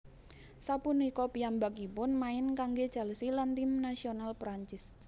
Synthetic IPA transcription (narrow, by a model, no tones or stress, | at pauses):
sapunikɔpiambakipʊnmaɪnkaŋɡed̥ʒ̥a̤ləsilant̪imnasionalpɾaɲt͡ʃɪs